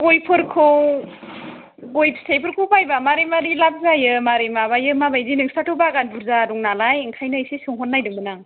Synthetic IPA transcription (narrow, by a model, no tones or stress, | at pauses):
ɡojpʰɯɾkʰɯw | ɡojpʰsejpʰɯɾkʰupajbamaɾimaɾilap̚zajɯmaɾemaβajɯmabajzinɯŋsatʰɯbaɡanbuɾzaduŋnalajŋkʰajnajsisɯŋɦɔt̚nːajdɯŋbɯnaŋ